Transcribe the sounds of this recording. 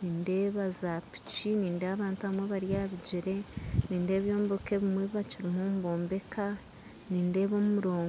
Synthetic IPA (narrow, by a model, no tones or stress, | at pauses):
niːnde̞βazapi̥t͡ʃiniːndeaβaːntuamweβaɾjaβiɟiɾe̞niːnde̞ːβjo̞ːmbokeβimweβiβat͡ʃiɾimuːmuβo̞ːmbe̞kʰa | niːnde̞ːβo̞muɾo̞ːŋ